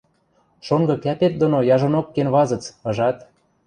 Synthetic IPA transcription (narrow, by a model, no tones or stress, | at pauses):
ʃoŋɡɤ̆kæpet̪̚d̪onojɑʒonokːenβɑzɤ̆t͡sɤ̆ʒɑt̪